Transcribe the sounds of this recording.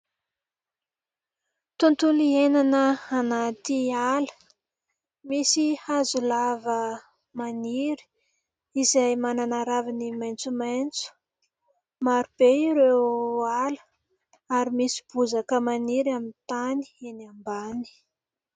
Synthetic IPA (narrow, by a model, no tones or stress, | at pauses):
t̪unt̪ulienanəanat̪ialə̥ | misihazulavə | maniɾi̥ | izajmananaɾavinimajnt͡sumajnt͡su̥ | maɾub̥eiɾewalə̥ | aɾimisi̥b̥uzakəmaniɾamint̪ani̥enambani̥